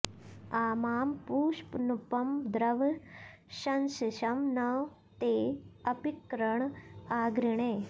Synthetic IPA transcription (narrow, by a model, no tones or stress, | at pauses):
aːmaːmpuːʂpnupɐmd̪ɾɐʋ | ɕɐnsiɕɐmnɐw | t̪eːɐpikɾəɳaːɡɾiɳeː